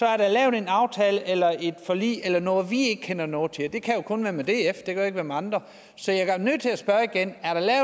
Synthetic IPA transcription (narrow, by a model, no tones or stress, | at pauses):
sɒ̽æɐɾ̥ɑ̈lɛːʊð̩ˠenɑ̈ʊt͡sʰɛːləʔelɐe̝d̥fɒ̽lḭːelɐnɔ̽ːð̩ˠʋie̝ɡ̥ə̥kʰen̰ɐnɔ̽ːð̩ˠt͡sʰe̝d̥e̝kʰæjo̝kʰɔ̽nʋæɐmed̥e̝̰ːefd̥e̝kʰæeɡ̥ʋæɐmɑ̈nd̥ʁɐ | sɒ̽jaɡ̥nøð̰ˠt͡sʰe̝læsb̥ɶɐiɡ̥enæɐɾ̥ɑlɛːʊ